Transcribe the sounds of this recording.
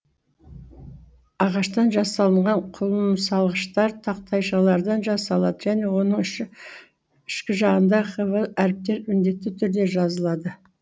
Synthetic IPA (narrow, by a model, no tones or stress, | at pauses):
ɑʁɑʃt̪ɑnʒɑsɑlˠəɴʁɑɴqʰʊlˠənsɑlˠʁəʃt̪ɑɾt̪ʰɑq̚t̪ʰɑjʃɑlˠɑɾd̪ɑnʒɑsɑlˠɑd̪əʒæne̞wo̞nəɴ | ɪʃkʲɪʒɑʁənd̪ɑχəvəæɾɪp̚t̪e̞ɾʏnd̪e̞t̪ːɪt̪ʰʏɾd̪e̞ʒɑzəlˠɑd̪ə